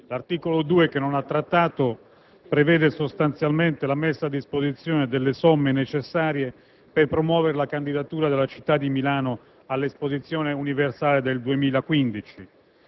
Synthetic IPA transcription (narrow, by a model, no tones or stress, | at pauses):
lart̪iːkolod̪uːekenːonat̪ːɾat̪ːaːt̪o | pɾevɛːd̪esost̪ant̪sjalment̪elamesːaːd̪ːispozit̪sːjɔːned̪elːesɔmːenet͡ʃesːaːɾje | perpɾomwɔːveɾelakand̪id̪at̪uːɾad̪elːat͡ʃi̥t̪ːad̪ːimilaːno | alːespozit̪sːjɔːneuniversaːled̪eld̪uemiːlakwind̪it͡ʃi